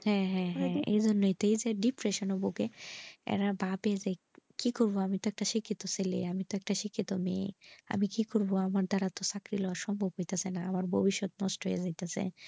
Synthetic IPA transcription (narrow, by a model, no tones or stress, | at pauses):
hɛ̃ɦɛ̃ɦḛjd͡ʑonːojt̪eejd͡ʑeɖipɾeʃonobokeɛ̰ɾabapeed͡ʑe | kikoɾboamit̪oɛk̚ʈaʃikʰːit̪oselḛamit̪oɛk̚ʈaʃikʰːit̪omḛa̰mikikoɾboamaɾd̪aɾat̪osakɾilɔaɾʃɔmbʱobɦojt̪asenaamaɾbʱobiʃːot̪nɔsʈoɦḛed͡ʑajt̪asḛ